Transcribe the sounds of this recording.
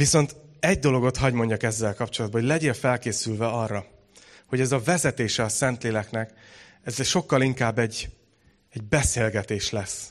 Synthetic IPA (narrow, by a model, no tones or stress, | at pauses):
viso̞nt̪ɛɟ̚d̪o̞lo̞ɡo̞t̪hɒɟmo̞ɲɟɒkɛzːɛlkɒpt͡ʃo̞lɒd̪bɒɦolɛɟeːlfɛlkeːsylvɛɒrːɒ | ho̞ɟɛzɒvɛzɛt̪eːʃɛɒsɛnt̪leːlɛknɛk | ɛzʃo̞kːɒliŋkaːbːɛɟ | ɛɟ̚bɛseːlɡɛt̪eːʃlɛs